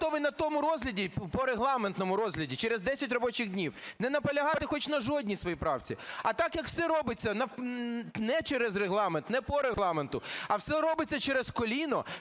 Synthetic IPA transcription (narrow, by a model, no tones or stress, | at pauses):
t̪ɔʋɪnɐt̪ɔmʊɾɔzʲlʲɐdʲipɔɾeɦlˠɑment̪nɔmʊɾɔzɦlʲɐdʲit͡ʃeɾezd̪ɛsʲɐtʲrɔbɔt͡ʃɪɣdʲnʲiwnɛnɐpɔlʲɐɦɑt̪ɪxɔt͡ʃnɐʒɔdʲnʲisʋɔjipɾɑwt͡sʲiɐt̪ɑkjɐkwsɛɾɔbɪt͡sʲːɐnɐ | nɛt͡ʃɛɾɛzreɦlˠɑment̪nɛpɔɾeɦlˠɑment̪ʊɐwsɛɾɔbɪt͡sʲːɐt͡ʃɛɾɛskɔlʲinɔ